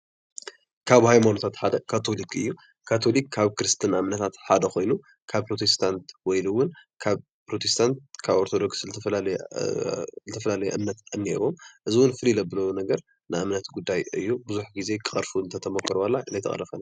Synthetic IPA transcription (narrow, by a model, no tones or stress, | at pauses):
kʰaβhajmanot̪ʰat̪ħad̪ɐkʰat̪ʰo̞likɨjːu | kʰat̪ʰo̞likːʰaβkɨɾɨst̪ʰɨnʔamnɐt̪ʰat̪ħad̪ɐxo̞jnu | kʰaβpʰɾo̞t̪ʰe̞st̪ʰant̪wɔjlɨwʊnkʰaβ | pɾo̞t̪ʰest̪ʰant̪̚kʰaβoɾt̪ʰod̪o̞kslɨt̪ʰɐl | zɨt̪ʰɐfɐlalɐjɛ̰ʔɨmnɐt̪ɨnːḛɾomʔɨziwʊnfɨlilɐbɨlɐwonɐɡɐɾ | nɨʔamnɐt̪ɡud̪ːajɨjːubɨzuħɡize̞kʰʼɨɐɾfuɨnt̪ʰɐt̪ʰɐmokʰːɨɾwalːaɨnɐjt̪ɐ̰χʼɐ̰lɐfɐna